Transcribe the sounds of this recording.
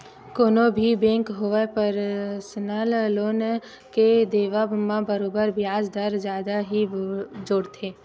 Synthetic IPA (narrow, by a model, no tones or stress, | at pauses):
koːnõbʱibẽːŋkɦoʋepəɾsnaːlloːn | ked̪eːʋamãbəɾoːbəɾbjaːd͡ʒd̪əɾzjaːd̪aɦid͡ʒoːɽt̪ʰeː